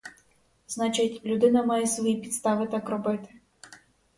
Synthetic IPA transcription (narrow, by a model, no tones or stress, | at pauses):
znɑt͡ʃɪtʲlʲʊd̪ɪnɐmɑjɛsʋɔjipʲit̪st̪ɑʋɪt̪ɑkrɔbɪt̪ɪ̥